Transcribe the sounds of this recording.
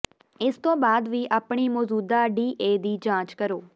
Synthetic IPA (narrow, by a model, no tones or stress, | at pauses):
ɪst̪õːbaːd̪ʋiːʔaːpɳiːmɔːzuːd̪aːɖiːʔeːd̪iːd͡ʒãːt͡ʃkəɾoː